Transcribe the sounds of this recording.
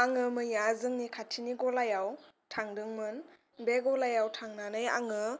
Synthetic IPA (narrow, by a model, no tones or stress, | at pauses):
aŋɯmɯjazɯŋnikʰatʰiniɡɔlajawtʰaŋdɯŋmɯn | beɡɔlajawtʰaŋnanɯja̰ŋɯ